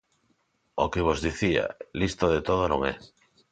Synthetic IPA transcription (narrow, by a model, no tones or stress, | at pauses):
okeβ̞ozðiθia̰list̪oðet̪oð̞onõŋɛ̰